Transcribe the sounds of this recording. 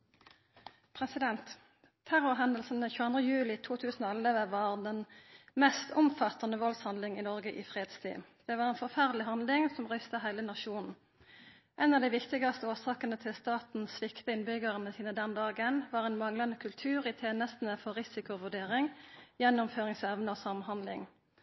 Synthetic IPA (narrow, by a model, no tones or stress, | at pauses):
pʰʁɛsɪd̪ɛnt̪ʰː | æʁʊʁɦɛnd̪əlsn̩əçʉːɑnd̪ʁəjʉːlɪt̪ʰuːt̪ʰʉːsn̩ɔlːəʋəʋɑːʁd̪ɛnmɛst̪ʊmfɑt̪ɑnəʋɔlshɑnlɪŋɪnɔʁɡəʔɪfʁeːd̪st̪ʰy̰ːd̪̥ɛʋɑːʁɛnfɔʁfæʁd̪lɪɦɑnlɪŋsɔmʁʏst̪əɦæɪlənɑʃuːnn̩ | ʔɛnɑʋd̪æɪʋɪkt̪ɪɡɑst̪əoːsɑːkənət̪ʰɪlst̪ɑːt̪n̩sʋɪkt̪əɪnbʏɡəʁənəsiːnəd̪ɛnd̪ɑːɡənʋɑːʁɛnmɑŋlɑnəkʰʉlt̪ʰʉːʁɪt̪ʰeːnəst̪n̩əfɔʁɪsɪkʊʋʉʁɖeːʁɪŋjɛnːʊmføːʁɪŋsɛʋnəɔsɑmhɑnd̪lɪ̰ŋ